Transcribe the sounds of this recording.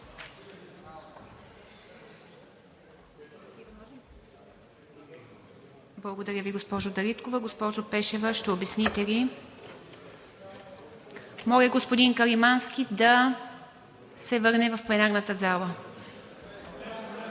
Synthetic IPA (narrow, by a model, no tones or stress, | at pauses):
blˠɐɡod̪ɐɾʲəviɡospɔʒod̪ɐɾit̪kovɐɡospɔʒopɛʃɛvəʃt̪ɛobɛsnit̪ɛli | mɔlɛɡospod̪inkəɾimanskʲid̪ɐ | sɛvɤɾnɛvɐfplɛnaɾnət̪əzalˠə